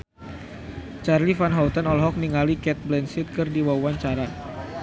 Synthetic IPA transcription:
t͡ʃarlifanɦaut̪ənɔlɦɔk̚niŋalikɛt̪̚blɛnsit̪̚kɨrdiwawaɲt͡ʃaɾa

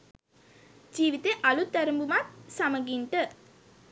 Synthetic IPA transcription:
d͡ʒiːʋit̪eʔalut̪ːæɾəmbumat̪̚saməɡiɳʈə

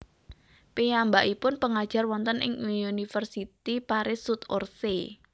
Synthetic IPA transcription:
pejambaʔipʊnpəŋad̥ʒ̥a̤rwɔnt̪ənʔɪ̰ŋuniunifərsit̪ipaɾɪsut̪orse

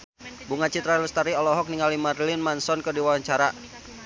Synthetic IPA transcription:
buŋat͡ʃit̪ɾalust̪aɾiɔlɔɦɔk̚niŋalimarlinmansɔnkədiwawaɲt͡ʃaɾa

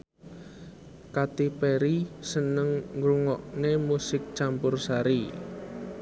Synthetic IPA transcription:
kat̪ipeɾisənəŋŋɡɾuŋɔʔnemusɪk̚t͡ʃampʊrsaɾi

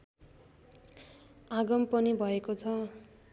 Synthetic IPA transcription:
aɡʌmpʌnibʱʌekot͡sʰʌ

